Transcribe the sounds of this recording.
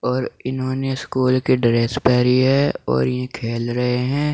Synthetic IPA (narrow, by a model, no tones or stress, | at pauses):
ɔːɾɪnɦõːneskuːlkiɖɾeːspɛːɾiɦɛɔ̰ːɾjẽkʰeːlɾɐɦeɦɛ̃ː